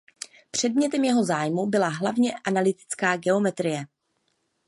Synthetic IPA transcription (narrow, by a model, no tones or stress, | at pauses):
pr̥ɛdmɲɛt̪ɛmjɛɦo̞zaːjmubɪlaɦlavɲɛʔanalɪt̪ɪ̥t͡skaːɡɛo̞mɛt̪ɾɪjɛ